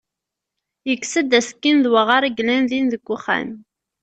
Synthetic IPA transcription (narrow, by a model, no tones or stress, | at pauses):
jəkːsəd̪æskːinðwəʁaɾˤəɡlænðinðəɡʷːʊχæ̰n